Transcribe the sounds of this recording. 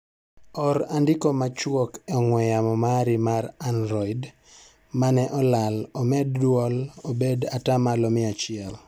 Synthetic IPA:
ɔɾandɪkomat͡ʃwokɛɔŋwɛjamɔmaɾimaɾanɾɔid | manɛʔɔlalɔmɛddwɔlobedatamalɔmɪat͡ʃɪɛl

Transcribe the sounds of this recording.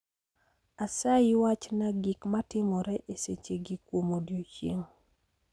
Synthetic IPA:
asaɪwat͡ʃnaɡikmatɪmɔɾɛʔeset͡ʃeɡɪkwomodjot͡ʃḛŋ

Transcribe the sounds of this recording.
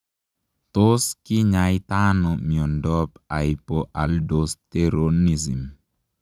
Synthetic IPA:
t̪oskɪɲajt̪anɔmiɔndɔpaipoʔaldost̪eɾonizim

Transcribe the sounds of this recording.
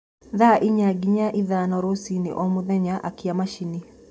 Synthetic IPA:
ðaʔiɲaɡiɲaʔiðanɔɾosinḭʔɔmuðɛɲaʔa̰kiamaʃini

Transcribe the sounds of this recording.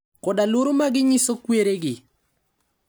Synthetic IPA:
kɔdaloɾomaɡɪɲɪsokweɾeɡɪ

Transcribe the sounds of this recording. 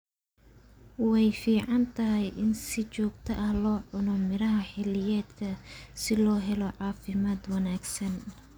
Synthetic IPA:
wɛjfiːʕɑnt̪ʰɐɦɛjʔɪnsɪt͡ʃɔːɡ̚t̪ʰɐʔɐhlɔːʕʊnɔmɪɾɐɦɐħɪlɪjɛːd̪kʰɐsɪlɔːɦɛlɔʕɑːfɪmaːd̪wɐnaːɡsɐn

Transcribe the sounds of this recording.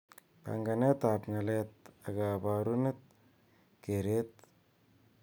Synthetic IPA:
pa̰ŋɡanet̪apŋalet̪̚aɡabaɾunet̪̚ | keɾet̪̚

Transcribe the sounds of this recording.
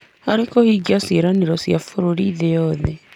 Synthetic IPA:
aɾekohiːɡiaseɾaneɾɔsjafoɾoɾiːðejɔːðɛ

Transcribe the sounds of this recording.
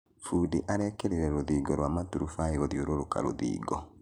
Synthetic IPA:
fudiʔaɾɛkɛɾeɾɛɾoðiːɡɔɾwamatuɾufaiɣɔðjoɾoɾoka̰ɾo̰ðḭːɡɔ

